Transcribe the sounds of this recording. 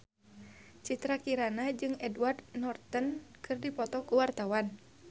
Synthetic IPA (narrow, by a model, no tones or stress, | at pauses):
t͡ʃit̪ɾakiɾanad͡ʒɨŋɛduward̪nɔrt̪ənkʰɨrdipɔt̪ɔkuwart̪awan